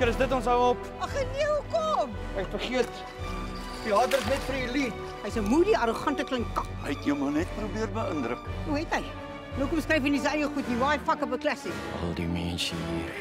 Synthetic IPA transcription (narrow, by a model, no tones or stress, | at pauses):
kəɾəsdətɔns̬əwɔp | ɐχəniəukɔːm | ɛkfərχiərt | piɑːdərsnɛtfəilit | əjsəmuːdiɐɾoχɐntəkləŋkkːɐpə̰tjəwmɐnɛt̚prubiərbəəndɾəkuɦɛtɦəj | nowkɔmskrɛjfənis̬əɐjəχutnivɑːjfɐkəbəklæsikɐ̰lˠdḭmɛ̰nsə̰nḭər